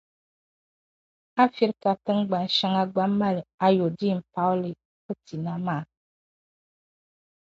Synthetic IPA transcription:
a˦fi˦ɾka˨tə˦ŋ˦ɡ͡ba˨n˨ʃa˦ŋa˦ɡ͡ba˦mːa˦la˦jo˨di˦˨m̩˨pa˦wli˨ | kə˦ti˨na˦ma˦˨

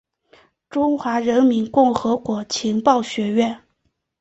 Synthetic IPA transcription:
ʈ͡ʂʊ˥ŋxwa˧˥ɻə˧˥nmi˧˥nkʊ˥˩ŋxɤ˧˥kwɔ˧˥t͡ɕʰi˧˥ŋpɑ˥˩ʊɕɥɛ˧˥ɥɛ˥˩n

